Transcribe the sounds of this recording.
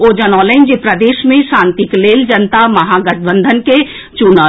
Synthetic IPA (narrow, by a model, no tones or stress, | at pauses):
od͡ʒənɔːlɛnd͡ʒipɾəd̪eːʃmẽʃãnt̪ikleːld͡ʒənt̪aməɦaɡət̪̚bə̃nd̪ʱənke | t͡ʃunə